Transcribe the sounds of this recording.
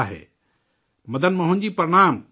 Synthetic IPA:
ɦḛː | mɐd̪ʱənmɐɦʊ̃nd͡ʑiːpɐɾɪɽ̃aːm

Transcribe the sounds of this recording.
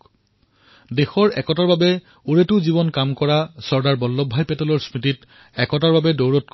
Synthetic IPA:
dexɔɹɛkɔtaɹbabɛ | uɹetʊzibɔnkamkɔɹasɔɹdaɹbɔlːɔbʱːajpɛtɔlɔɹsmitit | ɛkɔtaɹbabɛdowɹɔt̚k

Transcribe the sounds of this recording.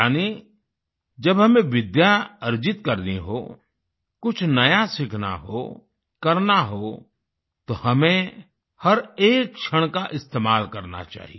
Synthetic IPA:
aːni | d͡ʒɐbɦɐmẽʋɪd̪jaɐɾd͡ʒɪt̪kɐɾniɦo | kʊt͡ʃʰnɐjasɪkʰna̰ɦo̰ | kɐɾnaɦo | t̪ohɐmẽ | hɐɾeːk̚t͡ʃʰəɽ̃kaʔɪst̪eːmaːlkɐɾna̰t͡ʃa̰ːɦḭ

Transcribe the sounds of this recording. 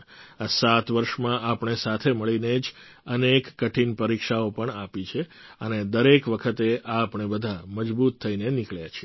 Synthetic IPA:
asat̪ʋəɾʃmãʔapɳ̃esat̪ʰeməɭined͡ʒənekːəʈʰinpəɾikʃaopəɳapit͡ʃʰeəned̪əɾekʋəkʰət̪eʔaːpɳ̃ebəd̪ʱaməd͡ʒbut̪ʰːəinenɪkɭjat͡ʃʰie

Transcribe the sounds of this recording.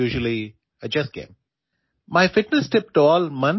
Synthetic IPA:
uːʒəlˠi | əd͡ʒɛs̚ɡ̥ḛ̃ːm | maɪfɪʈnɨsʈɪp̚ʈɔːlmʌ̃n

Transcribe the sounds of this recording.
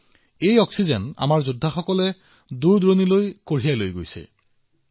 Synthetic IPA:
ejɔksizɛna̰maɹzudʱːaxɔkɔlɛ | duɹdɹonilojkoɹ̤ijalojɡojsɛ̰

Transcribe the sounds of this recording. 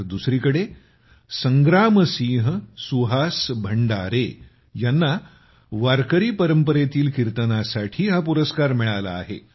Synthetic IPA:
d̪usɾiːkəɽe | səŋɡɾaməsĩːɦəsuɦasbʱəɳɖaɾe | janːa | ʋaɾkəɾiːpəɾəmpəɾet̪iːlkiɾt̪ənasaʈʰiːɦapuɾəskaɾmiɭala̰ːɦḛ

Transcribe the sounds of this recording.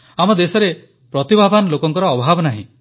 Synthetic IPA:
amɔd̪esɔɾe | pɾɔt̪ibʱabʱanɔlokɔŋkɔɾɔːbʱabɔnaɦḭ̃

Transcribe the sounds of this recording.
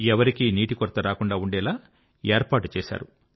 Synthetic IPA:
ɛʋɐɾikiniːʈikɔɾt̪ɐɾaːkuɳɖaːuɳɖɛːlaː | eːɾpaːʈu̥t͡ʃɛːʃa̰ːɾu

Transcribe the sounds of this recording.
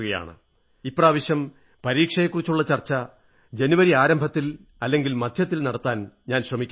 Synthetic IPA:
uɣɐja̰ːɳɨ̰ | ipːraːʋɐɕjɐm | pɐɾiːkʂɐjekːurit͡ɕːuɭːɐt͡ɕɐrt͡ɕːɐ | d͡ʑe̞nuʋɐɾiaːɾɐmbʱɐt̪ːil | ɐlːe̞ŋɡilmɐd̪ʱjɐt̪ːilnɐɽɐt̪ːaːnɲaːnɕrɐmikʲː

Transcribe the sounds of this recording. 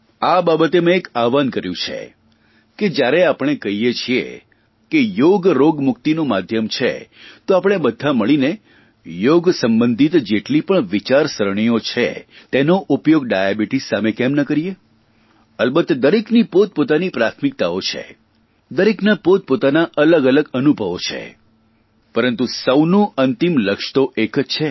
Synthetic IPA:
ababət̪emẽekaʋankəɾjũt͡ʃʰḛ | ked͡ʒjaɾeapɽ̃ekəɦijet͡ʃʰiḛ | kejoɡɾoɡmʊk̚t̪inũmad̪ʱjəmt͡ʃʰḛt̪oapəɽ̃ebəd̪ʱaməɭine | joɡsəmbənd̪ʱit̪d͡ʒeʈlipəɳʋit͡ʃaɾsəɾɳ̃ijot͡ʃʰḛ | t̪enoʔupjoɡ̚ɖajabiʈisːamekɛmnəkəɾije | əlbət̪ːd̪əɾeknipot̪̚pot̪anipɾat̪ʰmik̚t̪aot͡ʃʰḛ | d̪əɾeknapot̪̚pot̪anaʔələɡələɡənubʱəʋo̰t͡ʃʰḛ | pəɾənt̪usəwnõʔənt̪imləkʃt̪oʔekt͡ʃʰe

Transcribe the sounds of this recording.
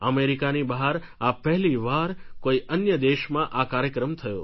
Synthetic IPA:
əmeɾikanibaɦaɾ | apɛɦliʋaɾkoiʔənjəd̪eʃmãʔakaɾjəkɾəmt̪ʰəjo̰

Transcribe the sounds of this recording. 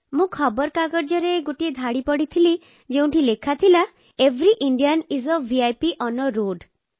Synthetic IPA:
mũkʰɔbɔɾkaɡɔɾd͡ʒɔɾeɡoʈied̪ʱaɽipɔɽit̪ʰili | d͡ʒeũɳʈʰilekʰat̪ʰila | ebʱɾiʔiɳɖianizɔːiajpiʔɔnɔɾoɖ

